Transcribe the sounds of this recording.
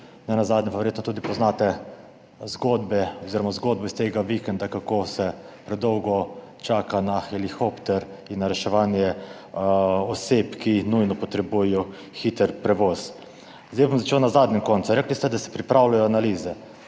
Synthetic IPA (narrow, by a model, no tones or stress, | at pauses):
nɛnazaːd̪nɲɛmpaʋɛɾjeːt̪nɔt̪uːd̪ipɔznaːt̪ɛ | zɡod̪bɛɔziɾɔmazɡoːd̪̚bɛist̪eːɡaʋikɛnd̪akakosɛ | pɾɛd̪ɔwɡɔ | t͡ʃaːkanaxɛlixɔpt̪ɛɾ | inːaɾɛʃɛʋaːnjɛ | ɔsepkinujnɔpɔt̪ɾɛbujɛjɔ | xit̪əɾpɾɛʋɔːz | zd̪ejbomzat͡ʃeːwnazaːd̪nʲɛmkɔnt̪suɾɛːklist̪ɛd̪asɛ̥pɾipɾawlajɔanaliːzɛ